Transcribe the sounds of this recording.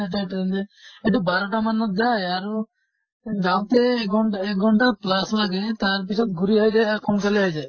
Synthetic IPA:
eʈajʈnd͡ʒeeʈubaɾɔʈamanɔt̪̚d͡ʒajaɾu | ɡawt̪eɡɔekɡʱɔɳʈaplaslaɡet̪aɾp̬it͡ʃʰɔt̪ɡuɾiɦajɾekɔmkaliɦajd͡ʒaj

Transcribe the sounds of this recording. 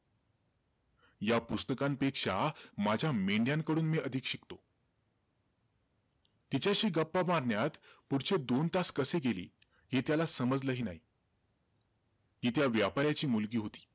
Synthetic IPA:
japust̪əkampekʂamad͡ʑʱjameɳɖjaŋkəɽuːnmiʔəd̪ʱikɕikt̪o | t̪it͡ɕjaɕiːɡəpːamaɾɳjat̪puɽt͡ɕed̪ont̪askəseɡelḭː | ɦit̪jalasəməd͡zləɦiːnaɦiː | t̪iːt̪jaʋjapaɾjat͡ɕiːmulɡiːɦot̪i̥ː

